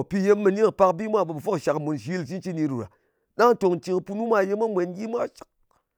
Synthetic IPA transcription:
pi˧je˧mːɨ˧ni˦ŋ˨pa˧kbi˦mʷa˦˨ɓo˨bɨ˨fo˦kʃa˨kmu˨nʃi˨˦lt͡ʃi˦n˦t͡ʃi˦ni˧ɾu˨ɾa̰˨ | ɗa˦ŋ˦to˨ŋ˨t͡ʃi˧ŋ˧pu˧nu˦mʷa˦˨je˧mʷa˦mʷe˨˧˦nɡi˦mʷa˦t͡ʃi̥˨k̚

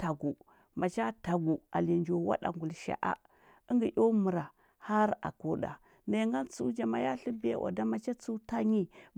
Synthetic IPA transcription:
ta˨ɡu˨ | ma˨t͡ʃa˦ta˨ɡu˨a̰˨li˨nd͡ʒo˨wa̰˦ɗa̰˨ŋɡu˨lʃa̰˨ʔa̰˦ | ə˦ŋɡi˨ʔʲjo˦mu˨ɾa˨ | ha˦ɾa̰˨ko˦ɗa̰˨ | na˨˦ŋɡa˦nt͡su˦d͡ʒa˨ma˨ja˦ɬi˦bḛ˦ʔa̰˨da˦ma˨t͡ʃa˦t͡su˦ta˦ɲi˦

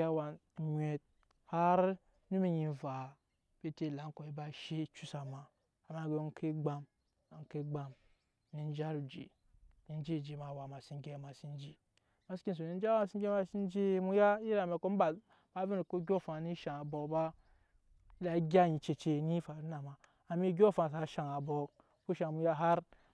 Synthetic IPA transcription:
a˦wa˨ɲʷe˨t̚ | ha˦ɾ | nu˦mi˦ɲi˨va˨ | b̥e˦te˦˨la˨ŋ˦ko˨i˦ba˦ʃe˦t͡ʃu˦sa˨ma˨ | ma˨˦ɡe˨˦kʰe˦ɡ͡ba˦m | a˨ŋ˨˦ke˦ɡ͡ba˨m˦ | ni˦n˦d͡ʒa˦ɾu˨d͡ʒḛ˨ | ni˨n˦d͡ʒi˦˨d͡ʒe˨ma˨wa˨ma˨si˦ŋ˦ɡe˦˨˦ma˨si˦n˦d͡ʒi˦ | ma˨˦ski˦n˨s̬o˨ni˦d͡ʒa˦ma˦˨si˦ɡʲe˦ma˧si˦n˦d͡ʒi˦mu˦ja˦i˦ɾa˨me˨ko˦m˦ba˨ | ba˦vi˦ni˨ko˦ɡʲo˦fa˨ni˦ʃa˨a˨bo˨ba˦ | i˦la˨˦ɡʲa˦ji˨t͡ʃe˨t͡ʃe˧ni˦fa˨ɾi˦na˨ma˨ | a˨mi˦ɡʲo˦˨fa˨s̬a˨ʃa˨ŋa˨bo˨ | ku˦ʃa˨mu˧ja˦ɦa˦ɾ

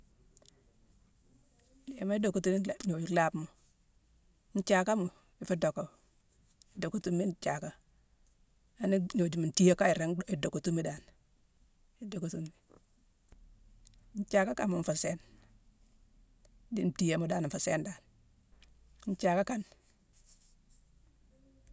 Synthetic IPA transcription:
e˨ma˦i˦do˨ku˨tu˦n˦˨ɲo˨d͡ʒu˦la˦bmu˨ | n̩˦t͡ʃa˨ka˦mu˨ | i˨fi˦do˨ko˨ | i˨do˨ku˦tu˦mːi˦nt͡ʃa˨ka˦ | a˨˦ni˦ɲo˨d͡ʒu˨mu˨n˨ti˦je˦ka˦i˨ɾa˦i˨do˨ku˨tu˦mːi˦da˨n | i˨do˨ku˨tu˦mːi˦ | n˦t͡ʃa˨ka˦ka˨mu˨ɱfu˨se˦n | di˦n̩˨ti˦je˨mo˦da˦n˨fa˨se˦nda˨n | n̩˦t͡ʃa˨ka˦ka˨n

